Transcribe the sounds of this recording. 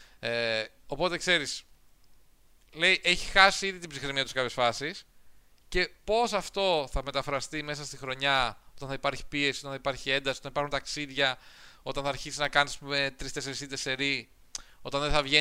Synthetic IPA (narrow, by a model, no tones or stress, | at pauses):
e | o̞po̞t̪e̞kse̞ɾis | le̞iʔe̞çi̥xɐsiiðit̪ibzixɾemiɐt̪uskɐpçe̞sfɐsis | ce̞po̞sɐft̪o̞θɐme̞t̪ɐfɾɐst̪ime̞s̬ɐst̪ixɾo̞ɲɐo̞t̪ɐnθɐipɐɾçi̥pie̞siot̪ɐnθɐipɐɾçie̞nd̪ɐsi̥ot̪ɐnipɐɾxunt̪ɐksiðʝɐo̞t̪ɐnθɐːɾçisiznɐkɐnismet̪ɾist̪eseɾisit̪ese̞ɾi | o̞t̪ɐnðeθɐvʝe